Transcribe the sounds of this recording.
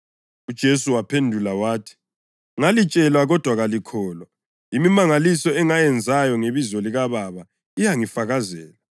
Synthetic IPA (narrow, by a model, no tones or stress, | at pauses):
ud̥ʒ̥ʱesuwapʰendʱulawaːtʰi̥ | ŋalit͡ʃʼɛlwaɣɔd̥ʱwaɣalikʰɔːlwa | imimaŋalisɔɛŋajɛnd͡zʱajɔŋeβizɔliɣaβaβa | ijaŋifaɣazɛːla